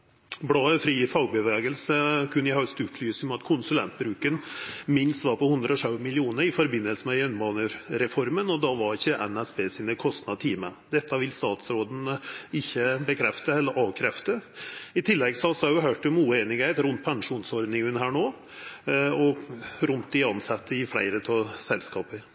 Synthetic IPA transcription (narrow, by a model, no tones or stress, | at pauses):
bɽɑːəfɾiːfɑʊbəʋeːɡəlsəkʰʉnːɪhœʉst̪ʉːt̪ʰlyːsmɑt̪kʰʊnsʉlɛ̰nt̪̚bɾʉːkənmɪnst̪ʋɑːɾpɔhʉnd̪ɾəɔʂɑʉmɪlɪuːnəɾɪfɔɾbɪnːəlsəmɛjɛnbɑːnəɾɾɛfɔɾmənɔd̪ɑʋɑɾɪçːəʔɛnæsbeːsɪːnəkʰɔst̪nɑt̪ʰiːmə̰d̪ɛt̪ːɑʋɪlst̪ɑːt̪sɾoːd̪n̩ɪçːəbəkʰɾɛft̪əɛlːəɾʔɑːʋkʰɾɛft̪əɪt̪ʰɪlːɛɡsɔɑsɑjʊɦøːʈɔmuːəeːnɪɡheːt̪ɾʉnt̪̚pʰɑŋʂuːnsɔɾd̪nɪŋʉnɦæːɳoː | ɔɾʉnt̪̚d̪ɪɑnsɑt̪ːəɪflæ̰ɪɾət̪ʰɑːsɛlskɑːpəɾ